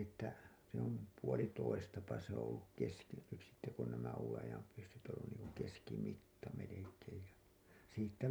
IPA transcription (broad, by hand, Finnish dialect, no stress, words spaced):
etːæ se om puolitoistɑpɑ se õː olːuk keski nyt sitːe kun næmæ uːwen ɑjɑm pysːyt õː olːun niːŋku keskimitːɑ melekeːj jɑ siːtːæ